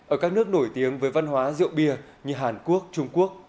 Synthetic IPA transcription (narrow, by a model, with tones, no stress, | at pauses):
ʔəː˧˩kaː˦˥k̚nɨ˦˥ək̚no˧˩jt̪i˨˦əŋvəː˨˦jva˧nɦwaː˨˦zḭ˧˨əwɓi˧əɲɨ˧ɦaː˨˩nku˦˥ək̚t͡ɕʊ˧ŋ͡mku˦˥ək̚